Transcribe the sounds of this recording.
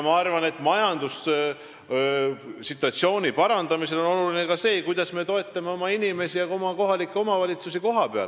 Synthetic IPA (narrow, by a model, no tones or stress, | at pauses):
mɑɑrvɑne̞t̪ːˑmɑjɑnd̪̥us | sit̪ːˑuɑt̪sio̞ːnʲipɑɾɑnd̪̥ɑmise̞lo̞no̞luline̞kɑse̞ːkujd̪̥ɑsme̞t̪o̞e̞t̪ˑːɑme̞o̞mɑinime̞sijɑo̞mɑko̞ɦɑlikːˑeo̞mɑvɑlʲit̪susiko̞ɦɑpeɑ̰l